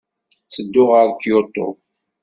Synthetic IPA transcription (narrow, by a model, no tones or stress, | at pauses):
t͡sːəd̪ːʊʁəɾkjot̪ˤːo̰